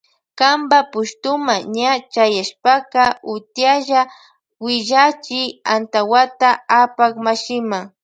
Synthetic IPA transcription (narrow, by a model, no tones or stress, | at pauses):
kambapʊʃt̪ʊmaɲat͡ʃajaʃpakaʊt̪jaʒa | wɪʒat͡ʃɪa̰nt̪awat̪aapakmaʃɪma